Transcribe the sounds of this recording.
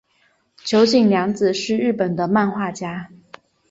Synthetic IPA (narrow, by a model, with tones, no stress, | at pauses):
t͡ɕʰjo˧˥ʊt͡ɕi˥˩ŋljɑ˧˥ŋd͡zɹ̩˨ʂɻ̩˥˧ɻɻ̩˥˩pə˨˩nd̪ə˦ma˥˧nxwa˥˩t͡ɕja˥